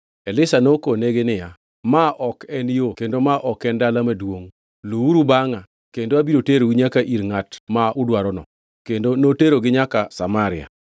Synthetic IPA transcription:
ɛlɪsanokoneɡenɪja | maʔɔkɛnjokendomaʔɔkɛndalamadwoŋ | luuɾubaŋa | kendoabiɾoteɾowiɲakaʔiɾŋatmaʊdwaɾɔnɔ̰ | kendonoteɾoɡɪɲakasamaɾɪa̰

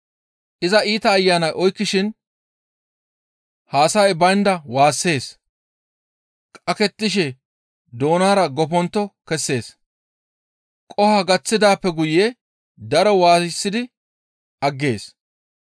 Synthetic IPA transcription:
ʔɪzɐiːt̪ɐːjːaːnɐjʔɔjkːɪʃɪn | haːsɐjbɐjnd̪ɐwaːsːe̞ːs | kʼɐkɛt̪ːɪʃ̬ɛ | d̪o̞ːnaːɾɐɡɔp̬ɔnt̪ːɔkɛsːe̞ːs | kʼɔhɐɡɐt͡sːɪd̪aːpːɛɡʊje | d̪ɐɾɔwaːssːɪd̪ɪ | ɐɡːe̞ːs

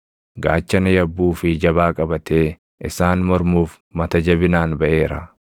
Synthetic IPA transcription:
ɡaːt͡ʃːɐnɐjɐbːuːfɪd͡ʒɐbaːkʼɐbɐt̪eː | ʔɪsaːnmɔɾmuːf | mɐt̪ɐd͡ʒɐbɪnaːnbɐʔe̞ːɾɐ̰

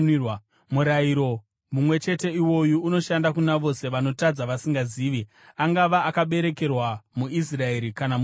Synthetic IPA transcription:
muɾaiɾo̞ | mumwe̞t͡ʃe̞te̞iwo̞juːno̞ʃandakunaʋo̞se̞ʋano̞tad͡zaʋasiŋɡaziːʋi | aŋɡaʋaakaɓe̞ɾe̞ke̞rwamuis̬rae̞ɾikanam

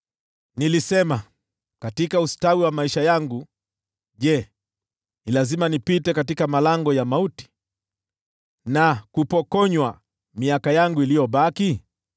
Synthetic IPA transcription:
nilisɛma | katikaustawiwamaiʃajaŋɡu | ʄɛ | nilazimanipitɛkatikamalaŋɡɔjamauti̥ | nakupɔkɔɲwa | miakajaŋɡuilijɔɓaki

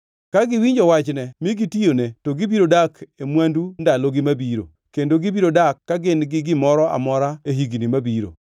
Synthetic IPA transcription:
kaɡɪwiɲd͡ʒɔwat͡ʃnɛmɪɡitijonetoɡɪbiɾodakemwandundaloɡɪmabiɾo̰ | kendoɡibiɾodakːaɡɪnɡɪɡɪmɔɾɔʔa̰mɔɾaeɦiɡnimabiɾo̰

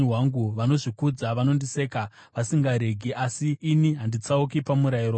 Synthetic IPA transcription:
waŋɡuʋano̞ʐikud͡zaʋano̞ndise̞ːka | ʋasiŋɡaɾe̞ɡʱeʔasiːniɦandit͡saukipamuɾairo

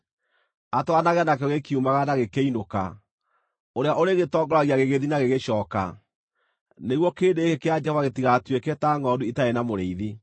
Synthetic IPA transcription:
atwanaɣanak̬ɛɔɣekiumaɣanaɣekeinoka̰ | oɾeaʔoɾeɣetɔːŋɡɔɾaɣiaɣeɣeðinaɣeɣeɕɔːka̰ | neɣwɔkeːndekekead͡ʒɛhɔvaɣetiɣatwekɛtaŋɔduitaenamoɾeiði

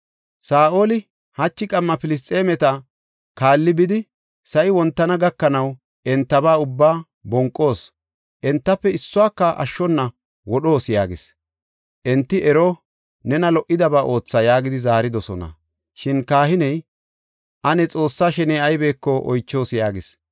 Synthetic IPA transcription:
saːʔoːlɪ | hɐt͡ʃːɪkʼɐmːɐpɪlɪs̬t̪ʼːeːmɛt̪ɐ | kaːlːɪbɪd̪ɪ | sɐjwɔnt̪ːɐnɐɡɐkːɐnɐw | ɛnt̪ːɐbaːʊbːaː | bɔŋkʼːo̞ːs | ʔɛnt̪ːɐpːɛɪsːʊwaːkːɐʔɐ̰ʃːɔnːɐ | wɔɗo̞ːsjaːɡɪs | ʔɛnt̪ːɪʔɛɾɔ | nɛnɐlɔʔɪd̪ɐbaːʔo̞ːt͡sːajaːɡɪd̪ɪzaːɾɪd̪ɔsɔ̰nɐ̰ | ʃɪnkaːhɪnɛj | ʔɐnɛt͡sʼo̞ːsːaːʃɛneːɐjbe̞ːkːɔʔɔ̰jt͡ʃːo̞ːsjaːɡɪs

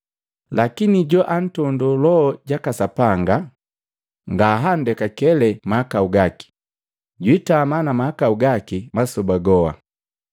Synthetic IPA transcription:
lakiniɟɔʔan̩tɔndɔlɔːɟakasapaŋɡa | ŋɡaːɦandɛkakɛlɛmahakauɡaki̥ | ɟwitamanamahakauɡakimasɔbaɡɔa̰

